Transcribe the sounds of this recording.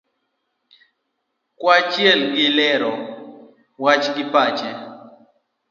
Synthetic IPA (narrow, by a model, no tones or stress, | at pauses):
kwat͡ʃjɛlɡɪlɛɾɔ | wat͡ʃɡɪpat͡ʃɛ